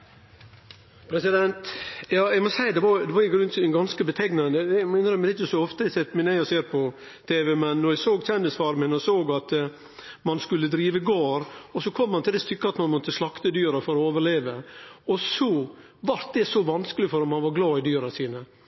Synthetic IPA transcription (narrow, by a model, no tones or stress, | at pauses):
pʰɾɛsɪd̪ɛnt̪jɑːɛɪɡmɔsæɪd̪ɛʋɑɾd̪ɛʋɑɾɪɡɾʉnt̪ɡɑnskəbət̪ʰɛɡnɑd̪ɛd̪ɛmɪnɾɔmd̪ɛɪt͡ʃːəsɔɔft̪əɛsɛt̪ːmɪnæɪɔseːɾpʰɔ | t̪ʰeːʋɛmɛnːɔɾjɛsoːɡt̪ʰɛnd̪ɪsfɑːɾmɪnɔsoːɡɑt̪ | mɑnskʉlːəd̪ɾiːʋəɡoːɾɔsɔkʰɔmːɑnt̪ʰɪld̪ɛst̪ʏkːəɑt̪mɑnmɔt̪ːəslɑkt̪əd̪yːɾɑfɔɾɔoːʋəɭeːʋəɔsɔ | ʋɑɾt̪̚d̪ɛsɔʋɑnskəlɪfɔɾɔmɑnʋɑɾɡlɑːɪd̪yːɾɑsiːnə